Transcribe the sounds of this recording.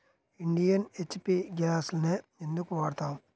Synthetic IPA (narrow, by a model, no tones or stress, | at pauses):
ɪɳɖijɐnet͡ʃːpiɡaːsnɐend̪ɯkːuʋaːɽt̪aːm